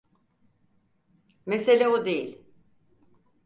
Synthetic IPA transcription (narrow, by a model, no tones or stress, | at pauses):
meselʲæod̪ejḭlʲ